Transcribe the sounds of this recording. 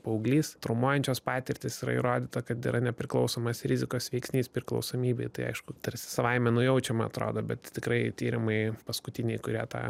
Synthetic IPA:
pɐʊɡlʲiːst̪ɾʊmuɔjɛnʲt͡ʃʲoːspɑːt̪ʲɪɾʲt̪ʲɪsiːɾɐ̰ḭɾoːd̪ʲiːt̪ɐkɐt̪ḭːɾʔɐnʲɛpʲɾʲɪklˠɒʊsoːmɐsɾʲɪzʲɪkoːsʋʲɛɪksʲnʲiːspʲɾʲɪklˠɐ̰ʊsoːmʲiːbʲɛɪt̪ɐɪɐ̰ɪʃkʊt̪ɐɾʲsʲɪ̥sɐʋɐɪmʲɛnʊjɛʊt͡ʃʲɛmɐɐt̪ɾo̰ːd̪oːbʲɛt̪t̪ʲɪkɾɐɪt̪ʲiːɾʲɪmɐɪpɐskʊt̪ʲɪnʲɛɪkʊɾʲiɛt̪ɑ̰ː

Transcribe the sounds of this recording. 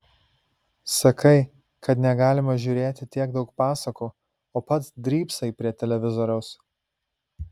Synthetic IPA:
sɐkʰɐɪ | kʰɐt̪nʲɛɡɑːlʲɪmɐʒʲuːɾʲeːt̪ʲɪt̪ʲiɛɡd̪ɒʊk̚pɑːsɐkuː | oːpɐt̪sd̪ʲɾʲiːpsɐɪpʲɾʲiɛt̪ʲɛlʲɛʋʲɪzɔɾʲɛʊs

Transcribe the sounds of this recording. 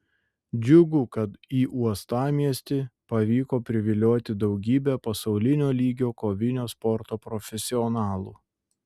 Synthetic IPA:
d͡ʒʲʊɡʊkɐt̪iːʔuɔst̪ɑːmʲiɛsʲt̪ʲɪpɐʋʲiːkoːpʲɾʲɪʋʲɪlʲoːt̪ʲɪd̪ɒʊɡʲiːbʲɛpɐsɒʊlʲɪnʲoːlʲiːɡʲoːkoːʋʲɪnʲoːspɔɾt̪oːpɾɔfʲɛsʲɪɔnɑːlˠuː

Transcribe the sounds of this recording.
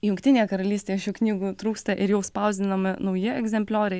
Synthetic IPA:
jʊŋkt̪ʲɪnʲejɛkɐɾɐlʲiːsʲt̪ʲeːjɛʃʲuːknʲiːɡuːt̪ɾuːkst̪ɐʔɪɾjɛʊspɐʊzʲd̪ʲɪnɐmʲɪnɐʊjɪɛɡzʲɛmʲpʲlʲoːɾʲɛɪ

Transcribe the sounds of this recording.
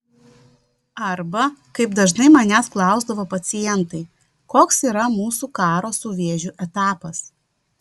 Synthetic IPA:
ɐɾbɐkɐɪbd̪ɐʒnɐɪmɐnʲæsklˠɑˑʊzd̪ɐʋopɐt̪sʲɪjɛnt̪ɐɪ | koːksiːɾɐmuːsuːkɑːɾoːsuʋʲeːʒʲuʔɛt̪ɑːpɐs

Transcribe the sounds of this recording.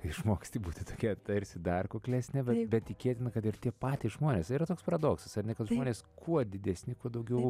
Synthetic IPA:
ɪʃmoːkʲsʲt̪ʲiːbuːt̪ʲɪt̪oːkʲɛt̪ɐɾʲsʲɪd̪ɐrkoːklʲæsʲnʲɛbʲɛbʲɛt̪t̪ʲɪkʲeːt̪ʲɪnɐkɐt̪ɪrt̪ʲiɛpɑːt̪ʲɪʒmoːnʲeːsiːɾɐt̪oːkspɐɾɐd̪oːksɐsɐrnʲɛkɐt̪ʒmoːnʲeːskʰuɔd̪ʲɪd̪ʲɛsʲnʲɪkuɔd̪ɐʊɡʲɛʊ

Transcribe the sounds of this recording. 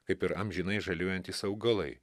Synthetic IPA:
kɐɪpɪɾɐmʲʒʲinɐɪʒɐlʲuɔjɛnʲt̪ʲiːsɐʊɡɐlˠɐɪ

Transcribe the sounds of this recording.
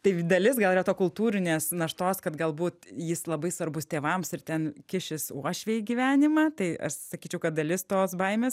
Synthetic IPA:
t̪ɐɪd̪ɐlʲɪsɡɐlˠiɾɐt̪oːkʊlˠt̪uːɾʲɪnʲeːsnɐʃt̪oːskɐt̪ɡɐlˠbuːt̪jɪslˠɐbɐɪsʋɐɾbʊst̪ʲeːʋɐmsɪrt̪ʲɛnkʲɪʃʲɪsuɔʃʲʋʲeːiɡʲiʋʲæːnʲɪmɐt̪ɐɪʔɐ̰ʃsɐkʲiːt͡ʃʲɛʊkɐt̪̚d̪ɐlʲɪst̪oːsbɐɪmʲeːs

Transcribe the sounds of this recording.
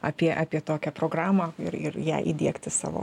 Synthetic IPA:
ɑpʲiɛʔɑːpʲiɛt̪oːkʲɛpɾoːɡɾɑːmɐɪɾɪ̰ɾjæ̰ːʔḭːd̪ʲiɛkt̪ʲɪsɑ̰ːʋo̰ː

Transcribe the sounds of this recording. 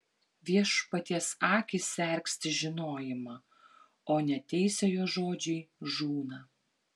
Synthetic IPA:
ʋʲiɛʃpɐt̪ʲiɛsɑːkʲɪsʲɛˑɾʲksʲt̪ʲɪʒʲɪnoːjɪmɑ | oːnʲɛt̪ʲɛɪsʲɛjoːʒoːd͡ʒʲɛɪʒuːnɐ

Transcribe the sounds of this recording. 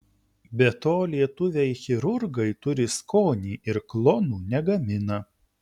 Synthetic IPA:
bʲɛt̪oːlʲiɛt̪ʊʋʲɛɪxʲɪɾʊɾɡɐɪt̪ʊɾʲɪskoːnʲiːʔɪɾklˠɔnuːnʲɛɡɐmʲɪnɐ

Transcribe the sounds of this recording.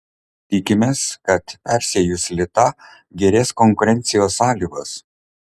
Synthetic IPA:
t̪ʲɪkʲɪmʲeːskɐt̪pʲæɾʲsʲɛjʊsʲlʲɪt̪ɐ | ɡʲɛɾʲeːskɔŋkʊɾʲɛnʲt̪sʲɪjoːsːɑːlʲiːɡoːs

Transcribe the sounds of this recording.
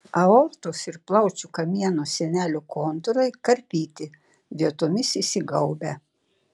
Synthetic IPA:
ɐoːɾt̪oːsɪɾplˠɐʊt͡ʃʲukɐmʲiɛnosʲɛnʲæːlʲʊkoːnt̪ʊɾɐɪkɐɾʲpʲiːt̪ʲɪ | ʋʲiɛt̪ʊmʲɪsisʲɪɡɐʊbʲɛ

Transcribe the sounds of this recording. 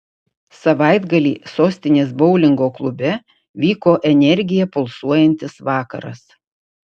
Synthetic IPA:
sɐʋɑˑɪd̪ɡɐlʲḭːsoːsʲt̪ʲɪnʲeːsbɔʊlʲɪŋɡoːklˠʊbʲɛ | ʋʲiːkoːʔɛnʲɛɾʲɡʲɪjɛpʊlˠsuɔjɛnʲt̪ʲɪsʋɑːkɐ̰ɾɐ̰s

